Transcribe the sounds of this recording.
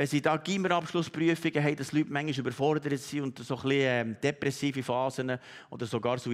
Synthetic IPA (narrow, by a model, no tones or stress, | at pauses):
ɛsidɑːɡ̥iməɾɑpʃlʊspɾyəfiɡəɦɛɪd̥ɑslytmæŋːiʃʏbəɾfɔɾd̪əɾətsiʊnd̪soχliɛmd̥ɛpɾɛsiːfifɑːzənəɔ̰d̪əɾsoɡɑːɾso